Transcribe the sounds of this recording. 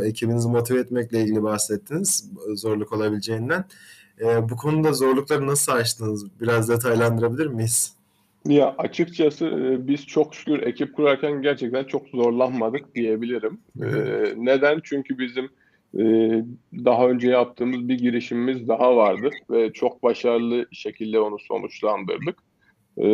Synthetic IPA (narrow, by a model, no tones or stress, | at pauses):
e̞cʰibinizmot̪ʰivɛt̪mɛclʲeilʲɟilʲibahsɛt̪ʰːiniz̥zo̞ɾlˠuko̞lˠabilʲid͡ʒe̞jind̪æn | ɛːbukʰo̞nud̪azo̞ɾlˠuklˠaɾɯnasɯat͡ʃt̪ʰɯnɯzbiɾazd̪e̞t̪ʰajlˠand̪ɯɾabilʲiɾmis | jaʔat͡ʃʰɯkt͡ʃʰasɯbiz̥t͡ʃʰo̞kʃy̥kʰʲyɾe̞cʰip̚kʰuɾaɾcʰænɟæɾt͡ʃʰɛc̚t̪ʰænt͡ʃʰo̞kzo̞ɾlˠanmad̪ɯk̚d̪̥ije̞bilʲiɾimː | ne̞d̪ænt͡ʃʰyɲcʰybizimː | d̪aɦaø̞nd͡ʒɛjap̚t̪ʰɯːmɯzbiɟiɾiʃimmizd̪aɦavaɾd̪ɯvɛt͡ʃʰo̞k̚baʃaɾlˠɯʃe̞cʰilʲd̪ɛo̞nuso̞̰nut͡ʃlˠand̪ɯ̰ɾd̪ɯkː